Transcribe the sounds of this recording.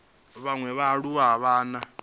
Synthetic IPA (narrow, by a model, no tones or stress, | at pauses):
βaŋwɛβaɺuwaɦaβaːna